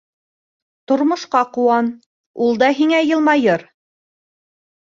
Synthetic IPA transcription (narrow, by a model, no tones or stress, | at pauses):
t̪ŏɾmŏʃqɑqŭwɑn | ulˠd̪ɑɦiŋæjɤ̆lˠmɑjɤɾ